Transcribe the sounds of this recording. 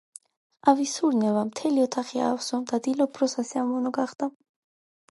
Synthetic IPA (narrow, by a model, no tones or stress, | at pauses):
avisuɾnɛvamt̪ʰɛliɔt̪ʰaχia̰ːfsɔmd̪ad̪ilɔpʰɾɔsasɛamɔnɔɡaχd̪̥a